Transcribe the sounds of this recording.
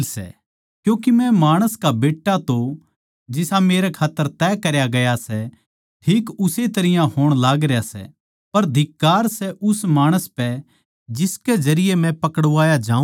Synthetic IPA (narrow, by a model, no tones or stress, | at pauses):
lsɛ̰ | kjũːk̬imɛ̃maːɽ̃əskabeːʈːat̪o | d͡ʒɪsameːɾɛkʰaːt̪ːəɾt̪ɛkɐɾjaɡɐjasɛ | ʈʰiːkʊset̪ɐɾɪjãɦoːɽ̃laːɡɾejasɛ̰ | pɐɾd̪ʱɪkːaːɾsɛʔʊsmaːɽ̃əspɛ | d͡ʒɪsked͡ʒɐɾɪjemɛ̃pɐkəɽʋaːjad͡ʒãːũ